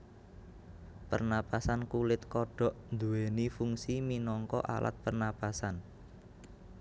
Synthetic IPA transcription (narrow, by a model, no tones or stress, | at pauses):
pə̰rnapasankulɪt̪kɔɖ̥ɔ̤ʔnd̪uwenifuŋsiminɔŋkɔ̰ʔa̰lʔa̰t̪̚pərnapasan